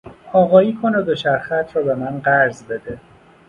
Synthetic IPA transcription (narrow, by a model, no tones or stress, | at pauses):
ɒːɣɒːjiːkʰonod̪oʃæɾxæt̪ʰɾɒːbe̞mænɢæɾzbe̞d̪e